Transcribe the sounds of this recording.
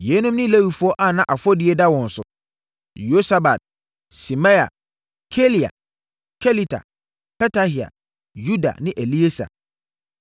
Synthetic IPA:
je˨˦nʊ̃˦mnɪ̃˦le˦wi˨fu˦ɔ˦ʔa˨nã˦ʔa˨fɔ˦dɪ˨ɛ˦da˦wɔ̃˨n̩˨sʊ˨ | jo˦sa˦ba˨d̚ | si˨mã˦a̰˨ | kʰe˦li˨a̰˨ | kʰe˦li˦tʰa̰˨ | pɛ˦tʰa˦hi˨a̰˨ | ju˦da̰˨nɪ̃˦ʔe˨li˦e˦sa̰˨

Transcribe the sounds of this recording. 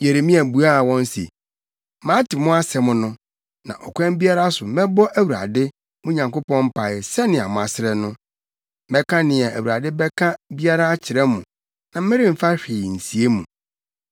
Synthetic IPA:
je˨ɾe˨mĩ˦æ˨bu˨a˦˨wɔ̃˦n˦sḛ˨ | mãː˦tʰɪ˨mʊ̃˦a˦sɛ˨mʊ̃˦nʊ̃˦ | nã̰˨ʔɔ˨kʰɛ̃˦m˦bi˦a˦ɾa˦sʊ˨mɛ̃˦bɔ˦ʔæ˦wu˨ɾa̰˨dɪ˦ | mʊ̃˦ɲã˨ŋko˦pɔ̃˦m̩˦pʰa˨ɪ˨sɛ˦nɪ̃˨a̰˨mʊ̃˨a˨sɪ˦ɾɛ˨nʊ̃˦ | mɛ˦kʰã˦nɪ̃˨ɛ˨ʔæ˨wu˨ɾa˨dɪ˦bɛ˦kʰa˦bi˦a˦ɾa˦a˦t͡ɕʰɪ˨ɾɛ˦mʊ̃˨ | nã˨mɪ̃˦ɾɪ̃˦m̩˨fa˦ɕᶣɪː˨n̩˨si˨e˦mṵ̃˨

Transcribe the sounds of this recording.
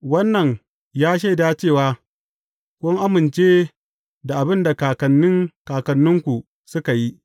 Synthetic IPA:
wɐ˦nːɐ˨ɲ | jaː˦ʃ̬e˦˨daː˦t͡ʃeː˦˨waː˦ | kʷʊ˦ŋʔa˦mɪ˨nt͡ʃeː˦ | da˨ʔa˨bɪ˦nda˨kaː˨kɐ˨nːɪ˦ŋkaː˨kɐ˨nːʊ˦ŋkʷu˨ | sʊ˦ka˨ji˦ʔ

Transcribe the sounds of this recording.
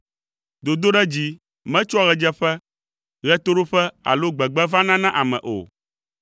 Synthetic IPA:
d̪o˨d̪o˦ɖɛ˦d͡ʑi˦ | mɛ̃˦t͡ʃa˦˨ɣɛ˨d͡ʒɛ˦ɸɛ˦ | ɣɛ˦t̪o˦ɖo˦ɸɛ˦a̰˨lo˦ɡ͡bɛ˨ɡ͡bɛ˦vã˦nã˦nã˦ʔa˨mɛ̰̃˨ʔo̰˨

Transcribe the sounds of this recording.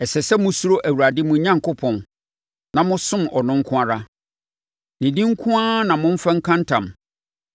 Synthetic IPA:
ɛ˨sɛ˨sɛ˦mʊ̃˦su˦ɾo˦ʔæ˨wu˨ɾa˨dɪ˦mʊ̃˨˦ɲã˦ŋkʰʊ˦pʰɔ̃˨n | nã˨mʊ̃˦sʊ̃˦mʔɔ˨nʊ̃˦ŋ˦kʰʊ̃˦a˦ɾa˦ | nĩ˨dĩ˦ŋ̩˦kʰʊ̃˦a˦nã˨mʊ̃˦ɱ̩˦fã˦ŋ̩˦kʰã˦n˦tʰã̰˨m

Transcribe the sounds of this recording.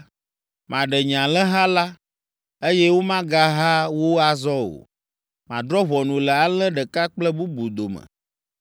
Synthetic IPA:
mã˨ɖɛ˨ɲã˨lɛ̃˦ɦa˦la˦ | e˦jɛ˦wo˦mã˦ɡa˦ɦa˦wo˦a˨zɔ˦o̰˨ | mã̰˨d̪ɾɔ˦βɔ˨nũ˨lɛ˨a˨˦lə̃˦ɖə˨ka˦k͡plɛ˦bu˦bu˨d̪o˨mə̰˨

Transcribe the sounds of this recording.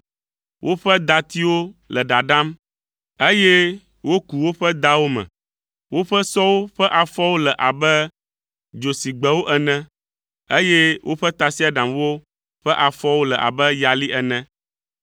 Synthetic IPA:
wʔo˦ɸɛ˦d̪a˨t̪i˦wo˦lɛ˨ɖa˨ɖa˦m | e˦jɛ˦ | wo˦ku˨wo˦ɸɛ˦d̪a˦wo˦mɛ̰̃˨ | wo˦ɸɛ˦sɔ˦wo˦ɸɛ˦ʔa˨fɔ˦wo˦lɛ˨ʔa˨bɛ˦ | d͡ʒo˨si˨ɡ͡bɛ˨wo˦ʔɛ˨nɛ̃˦ | e˦je˦wʔo˦ɸɛ˦t̪a˨si˦a˦ɖã˨mwo˦ | ɸɛ˦ʔa˨fɔ˦wo˦lɛ˨ʔa̰˨bɛ˦ja˨li˦ʔɛ˨nɛ̃˦

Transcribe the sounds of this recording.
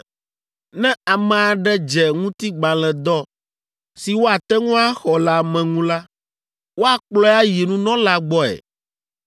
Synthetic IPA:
nɛ̃˦a˨mɛ̃˨a˨ɖɛ˦d͡ʒɛ˨ŋũ˦t̪i˦ɡ͡bã˨lɛ̃˨d̪ɔ˦ | si˨wo˦a˨t̪ɛ˦ŋũ˦a˦xɔ˨la˨mɛ̃˨ŋũ˦la˦ | wo˦a˨k͡plɔ˦a˦ji˨nũ˦nɔ̃˦la˨ɡ͡bɔ˦ɛ̰˨

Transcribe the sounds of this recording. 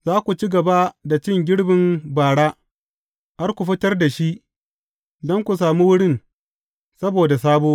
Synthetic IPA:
zaː˦kʷu˨t͡ʃi˦ɡɐ˨ba˦da˨t͡ʃɪ˦ŋɡʲɪ˦ɽbɪ˨mbaː˨ɽaː˦ | ha˦rkʷu˨ɸɪ˦tɐ˦rda˨ʃi˦ʔ | dɔ˦ŋkʷu˨s̬aː˨mu˦wʊ˦ɽɪ˦n | sɐ˦boː˨da˨saː˦boː˦

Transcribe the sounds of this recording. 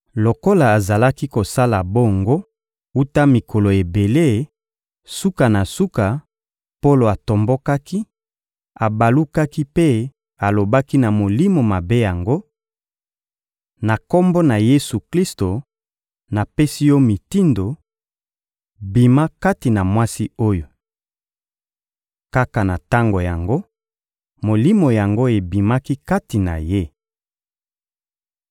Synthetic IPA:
lo˨ko˦la˨a˨za˨la˦ki˦ko˨sa˦la˨bo˦˨ŋɡo˦ | u˦ta˦mi˨kʰo˨lo˨e˨be˨le˦˨ | su˦ka˨na˨su˦ka˨ | po˦lo˨a˨to˨mbo˦ka˦ki˦ | a˨ba˨lu˦ka˦ki˦pe˦ | a˨lo˨ba˦ki˦na˨mo˨li˦mo˨ma˨be˦ja˨ŋɡo˦ | na˨ko˦mbo˦na˨je˦su˨kli˦sto˨ | na˨pe˦si˦jo˦mi˨ti˦ndo˨ | bi˨ma˦ka˦ti˨na˨mwa˦si˦o˦jo˨ | ka˦ka˨na˨ta˦ŋɡo˨ja˨ŋɡo˦ | mo˨li˦mo˨ja˨ŋɡo˦e˨bi˨ma˦ki˦ka˦ti˨na̰˨je˦

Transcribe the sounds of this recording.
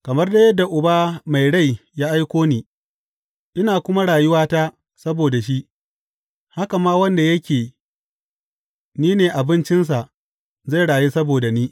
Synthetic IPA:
kɐ˨mɐ˦rda˦jɐ˦dːa˨ʔʊ˨baː˦ma˨jɽa˦˨jjaː˦ʔa˦jkʷoː˦niː˦ | ʔɪ˦naː˨kʷʊ˦ma˦ɽaː˨jʊ˦waː˦taː˦ | sɐ˦boː˨da˨ʃ̬i˦ʔ | ha˦ka˨maː˦wɐ˦nda˨jɐ˦kʲeː˨ | niː˦neː˨ʔa˨bɪ˦nt͡ʃɪ˦ns̬a˨ʔ | za˦˨jɽaː˨jiː˦sɐ˦boː˨da˨niː˦

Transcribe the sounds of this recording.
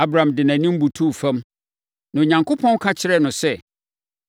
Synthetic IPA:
a˦bɾã˨mdɪ˨nã˨nĩ˦m̩˦bu˨tʰu˦˨fã˦m | nã˨o˨ɲã˨ŋkʰo˦pʰɔ̃˦n˦kʰa˦t͡ɕʰɪ˦ɾɛ˦nʊ̃˨sɛ˦

